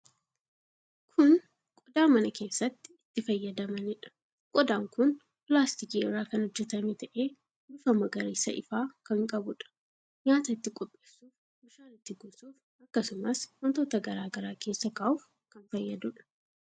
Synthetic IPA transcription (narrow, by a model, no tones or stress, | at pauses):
kʰʊn | kʼɔd̪aːmɐnɐke̞ːsːɐt̪ːɪ̥ɪt̪ːɪfɐjːɐd̪ɐmɐnɪᶑɐ̥ | kʼɔd̪aːŋkʊn | pɪlaːst̪ɪkiɪrːaːkɐnhɔd͡ʒːɛt̪ɐmet̪ɐʔe̞ː | dʊfɐmɐɡɐɾeːsːɐ̰ʔɪfaːkɐŋkʼɐbʊᶑɐ̥ | ɲaːt̪ɐɪt̪ːɪkʼɔpʼːe̞ːsːuːf | mʊʃaːnɪt̪ːɪɡʊːsuːf | ɐkːɐsʊmɐshɔnt̪oːt̪ɐɡɐɾaːɡɐɾaːke̞ːsːɐkɐʔuːf | kɐnfɐjːɐd̪ʊᶑɐ̥